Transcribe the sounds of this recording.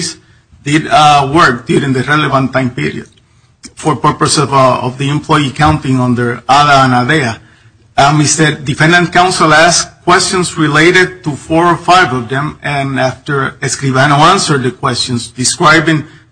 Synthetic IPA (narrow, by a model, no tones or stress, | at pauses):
s | d̪ɪd̪wə˞k̚d̪̥juɾĩŋðɨrɛlevãnt̪ːãɪ̃mpiɾḭɨ̰d | fɔɹpə˞pəsɔ̰vðiɛ̃mpʰlɔjikãw̃ntĩŋɔ̃nd̪ə˞aðaãnaðea | mistəd̪ifɛ̃nd̪ə̃nkãw̃nsəlˠæskːwɛstɔ̃nsɹileɪɾɪd̪̚t̪ufɔɹɔfajvɔvðɛ̃mɨ̃naft̪ə˞eskɾivanoãnsə˞d̪̚ðɨkʰwɛstɔ̃nsd̪ɨskɹajbĩŋ